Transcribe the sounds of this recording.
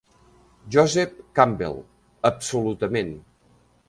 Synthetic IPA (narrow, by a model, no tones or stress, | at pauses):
ʒɔzɛp̚kambḛlˠ | əpsulut̪əmen